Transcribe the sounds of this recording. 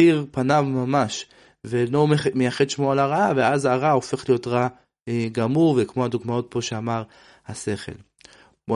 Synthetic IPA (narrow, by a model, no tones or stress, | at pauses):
iʁpanavmamaʃ | velomemejaχed̪ʃmoalaʁaaveazaʁao̞fe̞χlijo̞t̪ʁa | ɡamuʁvekmo̞had̪uɡmao̞t̪̚po̞ʃeamaʁ | hase̞χe̞̰l | bo